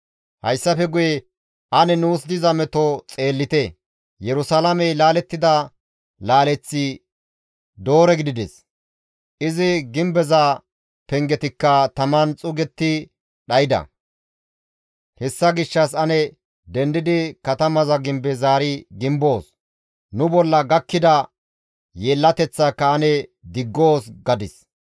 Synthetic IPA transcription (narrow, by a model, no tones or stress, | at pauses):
hɐ̰jsːɐfɛɡʊjɛ | ʔɐnɛnuːs̬d̪ɪzɐmɛt̪ot͡sʼe̞ːlːɪt̪ɛ | jɛɾʊsalɐmɛjlaːlɛt̪ːɪd̪ɐ | laːlɛt͡sːɪ | d̪o̞ːɾɛɡɪd̪ɪd̪ɛs | ʔɪzɪɡɪmbɛza | pɛŋɡɛt̪ɪkːɐt̪ɐmɐnt͡sʼʊɡɛt̪ːɪ | ɗɐjɪd̪ɐ̰ | hɛsːɐɡɪʃːɐs̬ɐnɛ | d̪ɛnd̪ɪd̪ɪkɐt̪ɐmɐzɐɡɪmbɛzaːɾɪɡɪmbo̞ːs | nʊbɔlːɐɡɐkːɪd̪ɐ | jeːlːɐt̪ɛt͡sːɐkːɐːnɛd̪ɪɡːo̞ːsɡɐd̪ɪs